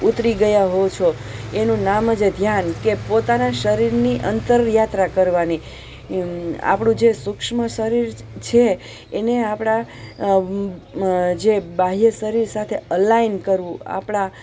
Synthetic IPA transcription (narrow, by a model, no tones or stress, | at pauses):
ut̪ɾiɡəjaɦot͡ʃʰoenũnaməd͡ʒed̪ʱjankepot̪anaʃəɾiɾniʔənt̪əɾjat̪ɾakəɾʋani | a̰pɳũd͡ʒesʊkʃməʃəɾiɾt͡ʃʰeː | neapɽ̃a | d͡ʒebaɦijəsəɾiɾsat̪ʰeəlainkəɾʋũa̰pɳ̃a